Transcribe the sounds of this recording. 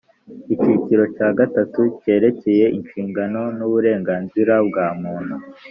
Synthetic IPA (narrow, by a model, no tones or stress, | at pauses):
iciciɾo̞caːɡatatuce̞ːɾe̞ce̞je̞ʔinʃiːŋɡano̞nuβuɾe̞ːŋɡaːnziɾabɡaːmuːn̤̥u